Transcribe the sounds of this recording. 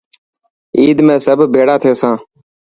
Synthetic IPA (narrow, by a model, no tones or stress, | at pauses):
iːd̪mẽːsəbʱbʱeːɽaːt̪ʰeːsãː